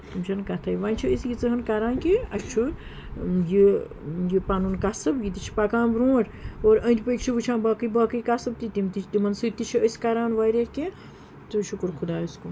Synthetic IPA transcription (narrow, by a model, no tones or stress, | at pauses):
t̪umt͡ʃʰɐnkɐt̪ʰɐjʋaːnʲt͡ʃʰiəsɡʲit͡sɨɦɨnkaɾaːnkiɐt͡ʃʰu | ji | jipanunkasɨbjit̪it͡ʃʰi̥pakãːnbɾũːɾʲoːɾə̃ːnt̪ʲipəkʲt͡ʃʰiʋɨt͡ʃʰãːnbaːkɨjbaːkɨjkasɨb̚t̪it̪imt̪it͡ʃʰt̪imɐnsɨt̪it͡ʃʰiəsʲkaɾaːnʋaːjɾeke | t̪ɨʃukuɾkʰud̪aːiskun